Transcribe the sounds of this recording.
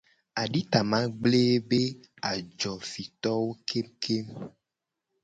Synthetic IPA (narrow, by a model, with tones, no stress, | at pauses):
a˨ɖi˦t̪a˨mã˦ɡ͡ble˦be˦ | a˨d͡ʒɔ˨fi˨t̪ɔ˦wo˦kʰe˦mkʰe˦m